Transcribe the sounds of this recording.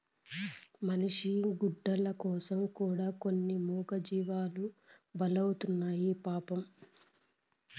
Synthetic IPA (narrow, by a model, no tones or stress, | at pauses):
mɐniʂiɡuɖːɐlɐkɔːsɐmkuːɽaːko̞nːimuːɡɐd͡ʒiːʋaːlubɐlɐwut̪unːaːjipaːpɐm